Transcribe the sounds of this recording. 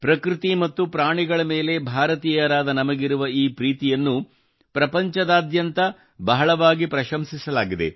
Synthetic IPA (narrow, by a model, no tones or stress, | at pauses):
pɾɐkɾit̪imɐt̪ːupɾaːɳiɡɐɭɐme̞ːle̞bʱaːɾɐt̪iːjɐɾaːd̪ɐnɐmɐɡiɾuʋɐiːpɾiːt̪ijɐnːu | pɾɐpɐɲt͡ʃɐd̪aːd̪jɐnt̪ɐ | bɐɦɐɭɐʋaːɡipɾɐʃɐmsisɐlaːɡid̪e̞̰